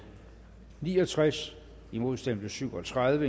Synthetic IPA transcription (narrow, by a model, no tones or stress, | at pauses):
niːɒ̽t͡sʰʁas | imo̝ð̞ˠsd̥em̰b̥ləsyʊɒt͡sʰʁaðˠʋə